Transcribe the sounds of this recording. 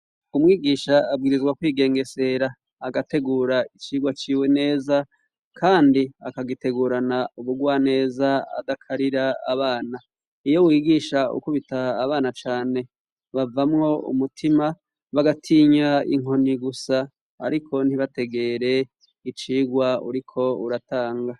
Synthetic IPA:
umŋiːɡiːʃaːb̚ɡiːɾizɡwakwiːɡe̞ːŋɡe̞se̞ɾaː | ɡate̞ɡuːɾait͡ʃiːɡwat͡ʃiːwe̞ne̞ːza | kʰaːndiakaɡite̞ɡuːɾanauβuɡwaːne̞ːzaa̰dakʰaɾiɾaa̰βaːna | ijo̞wiːɡiːʃaṵkuβitaːβaːnat͡ʃaːne̞ | βavamŋo̞ṵmutʰima | βaɡatʰiːɲaḭŋo̞niɡusa̰ː | ɾikʰo̞n̥iβate̞ɡe̞ɾe̞ | it͡ʃiːɡwaṵɾikʰo̞uɾataːŋɡa

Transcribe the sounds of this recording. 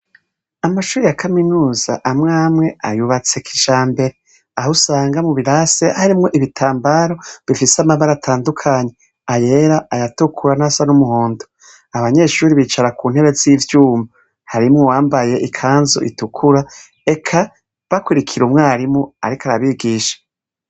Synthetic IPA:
amaʃuːɾijakʰaminuːza̰ʔːmŋaːmŋe̞ajuβat͡se̞kiʒaːmbe̞ɾe | ahusaːŋɡamuβiɾase̞haɾimŋo̞ʔiβitʰaːmbaɾo̞βifisamaβaɾatʰaːndukʰaːɲe̞ | aje̞ɾaajatukʰuɾanasanumuhoːndo | aβaɲe̞ʃuɾiβiːt͡ʃaɾakuːnhe̞ɾe̞ziːvjuːma | haɾimŋowaːmbaje̞ʔikʰaːnzo̰ʔitukʰuɾa | e̞kʰa | βakwuɾikʰiɾumŋaːɾimŋoa̰ɾikaɾaβiɡiːʃḁ

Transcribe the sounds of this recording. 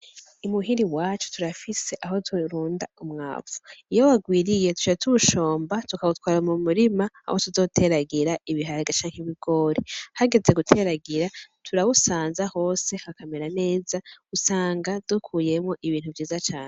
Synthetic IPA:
umuɦiɾiwaːt͡ʃu̥tʰuɾafise̞ʔaɦo̞tʰuɾuːndaumŋa̰ːvu̥ijowaɡwiːɾije̞tu̥t͡ʃaatʰuβuʃo̞ːmbatukaβutwaːɾɾamumuɾima̰ːho̞tuzo̞ːtʰe̞ɾaɡiɾaiβiɦaɾɡat͡ʃaːŋ̥heβiɡo̞ːɾihaɡe̞ze̞ɡutʰe̞ɾaɡiɾatʰuɾawusaːnzaho̞ːse̞hakameɾane̞ːzaɡ̥usaːŋɡad̥ukʰuːje̞mŋoʔiβiːnhuvjiːzat͡ʃaːne

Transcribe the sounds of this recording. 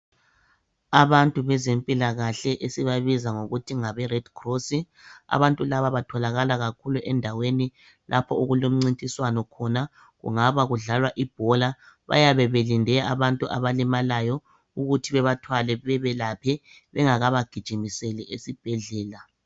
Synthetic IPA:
aβantʼuβɛzempʼilaɣaɬɛʔesiβaβizaŋoɣutʰiŋaβɛrɛd̥kʰrosi | a̰βantʼulaβaβatʰɔlaɣalaɣakʰuluʔɛndʱaweni | lʔapʰɔuɣulom̩ŋ͡ǀintʼiswanɔkʰɔna | ɣṵŋaβaɣuɮalwaʔib̥ʱɔla | βa̰jaβɛβelindʱɛa̰βantʼuʔaβalimalajɔ | uɣutʰiβɛβatʰwalɛβɛβɛlapʰɛ | βɛŋaɣaβaɡ̥ʱid̥ʒ̥ʱimisɛlɛʔesib̥ʱɛɮɛːla

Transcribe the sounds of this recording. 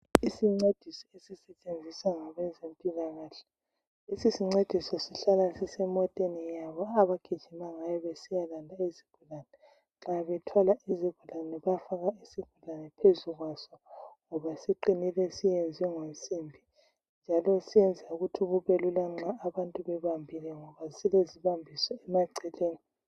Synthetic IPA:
isiŋ͡ǀed̥ʱisɔesisɛt͡ʃʼend͡zʱisaŋaβɛzempʼilaɣaːɬɛ̥ | isisiŋ͡ǀed̥ʱisɔsiɬalasisɛmɔtʼenijaβɔaβaɡ̥ʱid̥ʒ̥ʱimaŋajɔβesijalandʱaiziɡ̥ʱulanɛ | ŋ͡ǁaβɛtʰwalaiziɡ̥ʱulanɛβafaɣaisiɡ̥ʱulanɛpʰezuɣwasɔŋɔβasiǃinilɛsijend͡zʱwɛŋonsʼimbʱi | nd͡ʒʱalɔsijɛnd͡zʱauɣutʰuɣuβelulaŋ͡ǁaːβantʼuβɛβambʱilɛŋɔβasileziβambʱisɔɛmaǀɛleːni

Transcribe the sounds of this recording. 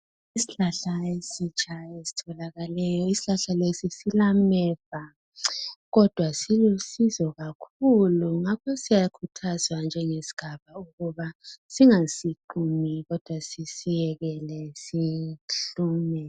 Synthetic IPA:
isiɬaɬaesit͡ʃʼʰaesi̥tʰɔlaɣalɛjɔisi̥ɬaɬalesisilamɛv̥a | ɣɔd̥ʱwasilusizɔɣakʰuluŋakʰɔsijakʰutʰazwand͡ʒʱɛŋesi̥ɡ̥ʱaβauɣuβasiŋasiǃumiɣɔd̥ʱwasisijɛɣɛlɛsiɬuːmɛ

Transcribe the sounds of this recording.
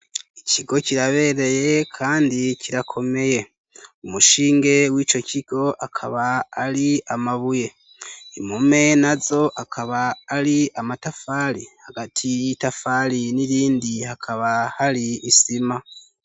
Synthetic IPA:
iciɡo̞ciɾaβe̞ːɾe̞je̞kʰaːndiciɾakʰo̞me̞je̞ | umuʃiːŋɡe̞wiːt͡ʃo̞ciɡ̥o̞ʔakʰaβaːɾiamaβuje̞ | imume̞nazo̞ʔakʰaβaːɾiamatafaɾihaɡatʰijitafaɾiniɾiːndihakʰaβahaɾiːsima

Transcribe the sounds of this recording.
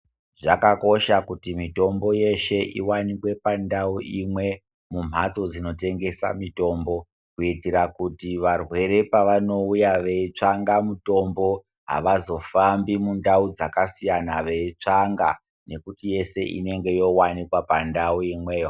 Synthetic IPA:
ʐakako̞ʃakutimito̞mbo̞je̞ʃe̞ʔiwanikwe̞pandauʔimwe̞ | mum̤ʱat͡so̞d͡zino̞te̞ŋɡe̞sa̰mito̞ːmbo̞ | kuitiɾakutiʋarwe̞ɾe̞paʋano̞ujaʋe̞it͡ʂaŋɡamuto̞mbo̞ | ɦa̰ʋazo̞fambimundaud͡zakasijanaʋe̞it͡ʂaŋɡa̰ | ne̞kutije̞se̞ʔḭne̞ŋɡe̞jo̞wanikwapandauimwe̞ːjo

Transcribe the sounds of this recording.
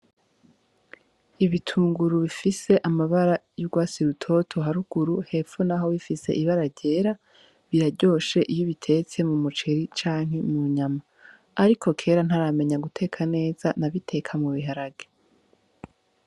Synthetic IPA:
iβitʰuːŋɡuɾuβifise̞ʔamaβaɾajuɡwaːsiɾutʰo̞tʰo̞ɦaɾuɡ̥uɾuhe̞ːfunaɦo̞βifise̞̰ʔiβaɾaɾɟe̞ɾa | βiɾaɾɟo̞ʃe̞ʔijoβitʰe̞ːt͡se̞mumut͡ʃeɾit͡ʃaːŋ̥ɦe̞muɲamaː | ɾikʰo̞kʰe̞ːɾan̥haɾame̞ɲaɡutʰe̞kʰane̞ːz̥anaβitʰe̞kʰamuβiɦaɾaɡe

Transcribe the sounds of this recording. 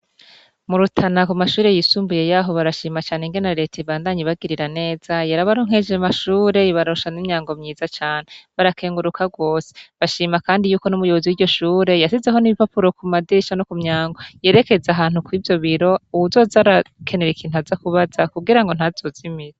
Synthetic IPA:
muɾutʰanakumaʃuːɾe̞jisuːmbuje̞jaːɦo̞βaɾaʃiːmat͡ʃaːneŋɡenaɾe̞ːteiβaːndaɲiβaɡiɾiɾane̞ːz̥ajaɾaβaɾoŋ̥he̞d͡ʒemaʃuːɾe̞iβaɾoʃanimɲaːŋɡo̞mɲiːzat͡ʃaːneβaɾakʰe̞ːŋɡuɾukʰaɡwo̞ːse̥βaʃiːmakaːndijuːkonumujo̞βoziwiɟo̞ʃuːɾe̞jasizeɦo̞niβipapuɾo̞kumadiʃanokumɲaːŋɡoje̞ːɾe̞ke̞zaɦaːn̥hukwiːvjo̞βiɾo̞uuzo̞ːzaɾakʰe̞ne̞ɾikʰiːn̥uazakuβazakuɡiɾaŋɡo̞n̥haz̥o̞zimize

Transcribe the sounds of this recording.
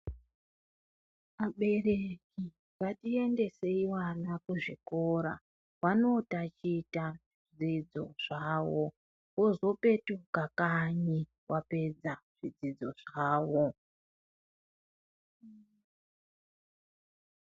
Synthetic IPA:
aɓe̞reki | katie̞nde̞se̞iwanakuʐikoɾa̰ | wano̞tat͡ʃiːtaʐid͡zid͡zo̞̰ʐ̥aːwo | wozo̞pe̞tukakaɲi | wʔape̞d͡zaʐ̥id͡zid͡zo̞ʐaːwo

